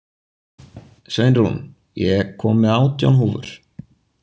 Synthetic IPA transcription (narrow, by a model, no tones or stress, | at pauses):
sejnɾhṵn | jɛkʰːɔːmɪaːwt̪ja̰lnɦuːvʏ̰ɾ̥